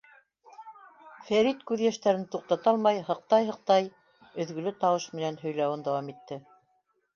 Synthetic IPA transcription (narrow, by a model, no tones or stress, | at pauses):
fæɾit̪kʉðjæʃt̪æɾɘnt̪uq̚t̪ɑt̪ɑlˠmɑjhɤ̆q̚t̪ɑjɦɤ̆q̚t̪ɑj | ɵ̆ðɡɵ̆lɘt̪ɑwɤʃmɘ̆nænɦɵ̆jlæwɘnd̪æwɑmit̪ːɘ